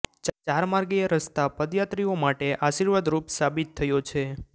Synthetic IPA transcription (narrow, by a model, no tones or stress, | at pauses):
t͡ʃt͡ʃaɾmaɾɡijəɾəst̪apəd̪jat̪ɾiomaʈeʔaʃiɾʋad̪ɾupsabit̪ʰːəjot͡ʃʰe